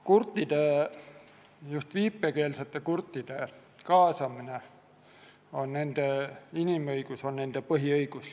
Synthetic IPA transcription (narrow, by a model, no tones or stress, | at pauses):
kurt̪ːˑid̪̥e | just̪viːpːˑeke̞ːlset̪ːˑe̞kurt̪ˑːid̪̥e̞ | kɑːsɑmine̞ | o̞nne̞nd̪̥einimɤjɡ̥uso̞nne̞nd̪̥e̞pɤɦiɤjɡ̥us